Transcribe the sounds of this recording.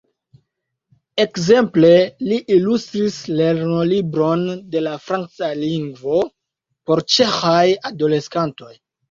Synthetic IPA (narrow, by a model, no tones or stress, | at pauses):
e̞kze̞mple̞liʔilustɾisle̞ɾno̞libɾo̞nde̞lafɾant͡saliŋɡvo̞ | po̞ɾt͡ʃe̞xajado̞le̞skanto̞j